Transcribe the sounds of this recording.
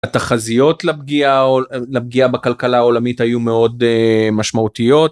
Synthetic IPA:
at̪aχazijo̞tlabɡiaolab̚ɡiabakalkalao̞lamithajumeo̞demaʃmaut̪ijo̞t

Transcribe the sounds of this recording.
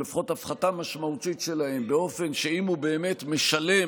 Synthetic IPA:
lifχo̞tafχatamaʃmautitʃe̞lahe̞mbe̞o̞fe̞nʃe̞imhube̞ːme̞tme̞ʃale̞

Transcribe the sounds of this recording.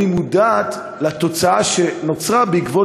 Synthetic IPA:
imudaːt̪ | lat̪o̞t͡saaʃenot͡sʁabeikvo

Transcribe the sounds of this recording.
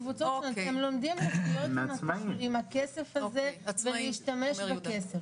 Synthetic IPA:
vut͡sotat̪emlo̞md̪imlastijotmaimhakesefaze̞veleiʃtame̞ʃbekesef

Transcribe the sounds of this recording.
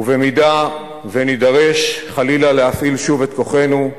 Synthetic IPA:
uvemida | venid̪aʁe̞ʃχalilalehafilʃuvet̪̚ko̞χe̞nu

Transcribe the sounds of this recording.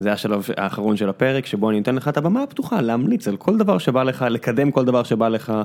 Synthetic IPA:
zeaʃalava̰ːχaʁo̞nʃelape̞ʁekʃeboaninot̪enleχaet̪abamapt̪uχaleamlit͡salkʰo̞ld̪avaʁʃebaleχalekad̪e̞mko̞ld̪avaʁʃebaleχa

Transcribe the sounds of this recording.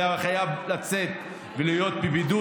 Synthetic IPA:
aχajavlat͡set̪ | velijo̞t̪̚bibid̪u

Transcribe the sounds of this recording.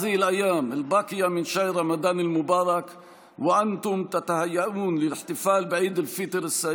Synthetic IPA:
ðɪhɪlʔajːaːmɪlbɑːqɨjamɪnʃajɾamad̪aːnɪlmʊbɑːɾˤɑk | wɪʔant̪ʊmt̪at̪ahajːaʔuːnlɪlɪħt̪ɪfaːlbʕiːd̪ɪlfɪt̪ɾɪsːa

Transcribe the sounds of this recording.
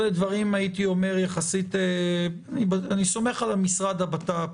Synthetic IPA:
led̪vaʁimait̪io̞me̞ʁjaχasit̪eanibaaniso̞me̞χalamisʁad̪abat̪ap

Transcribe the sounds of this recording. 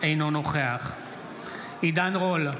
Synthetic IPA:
ejnonoχeaχ | id̪anʁol

